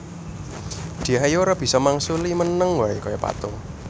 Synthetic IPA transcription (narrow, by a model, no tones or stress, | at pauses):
d̪̥i̤ɦajoɾab̥i̤sɔmaŋsulimənəŋwaekɔjɔpa̰t̪ʊŋ